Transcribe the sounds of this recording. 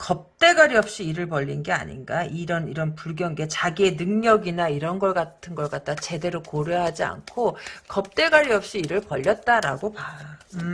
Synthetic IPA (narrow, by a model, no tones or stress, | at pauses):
kʌp̚t͈e̞ɡaɾiʌp̚ɕ͈iːɾɯɭpʌʎːinɡe̞a̰ɲḭnɡaiɾʌniɾʌnpuɭɡjʌŋɡe̞t͡ɕaɡie̞nɯŋɲʌɡinaiɾʌnɡʌɭk͈atʰɯnɡʌɭk͈at̚t͈at͡ɕe̞de̞ɾokoɾjeɦad͡ʑia̰nkʰokʌp̚t͈e̞ɡaɾiʌp̚ɕ͈iːɾɯɭpʌʎːʌt̚t͈aɾa̰ɡopa